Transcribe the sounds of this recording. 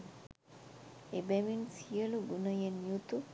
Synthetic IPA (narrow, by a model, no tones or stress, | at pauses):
ebɛʋinsijəluɡunəjenjut̪u